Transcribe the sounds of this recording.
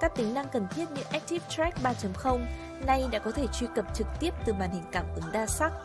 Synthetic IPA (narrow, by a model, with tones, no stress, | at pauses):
kaː˦˥k̚t̪ï˨˦ŋ̟na˧ŋkə˨˩nt̪ʰi˦˥ət̚ɲɨ̰˧˥ŋʔɛ˦˥k̚t̪i˦˥p̚t̪ɹɛ˦˥k̚ɓaː˧t͡ɕə˨˦mxə˧wŋ͡m | na˧jɗa̰ː˧˥kɔ˨˦t̪ʰe˧˩t͡ɕwi˧kə˨˩p̚t͡ɕɨ˨˩k̚t̪i˦˥əp̚t̪ɨ˨˩ɓaː˨˩nhï˨˩ŋ̟kaː˧˩mʔʔə˨˦nɗaː˧sa˦˥k̚